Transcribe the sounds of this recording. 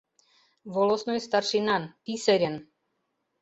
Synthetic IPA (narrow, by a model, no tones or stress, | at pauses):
vɔlɔsnɔjst̪arʃinanpisɛɾʲɛn